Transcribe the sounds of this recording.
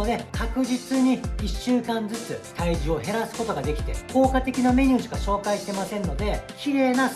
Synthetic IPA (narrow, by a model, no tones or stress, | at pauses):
od̪ekakɯ̟ʑit͡sɨɲ̟iiɕːɨːkãnd͡zɨt͡sɨt̪aiʑio̞ɦe̞ɾasɨ̥ko̞t̪o̞ɡad̪e̞kʲi̥t̪e̞̰ko̞ːkat̪e̞kʲiname̞ɲ̟ʲɨːʑiɡaɕo̞ːkaiɕt̪e̞masẽ̞nːo̞d̪e̞kʲiɾe̞ːna